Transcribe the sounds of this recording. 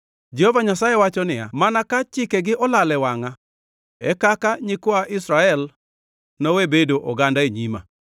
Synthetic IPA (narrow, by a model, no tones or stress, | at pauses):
d͡ʒɛhɔvaɲasajewat͡ʃɔnɪa̰manakat͡ʃɪkeɡɪʔɔlalɛwaŋa | ɛkakaɲɪkɔaʔisɾaɛl | nɔwebedoʔɔɡandaeɲima̰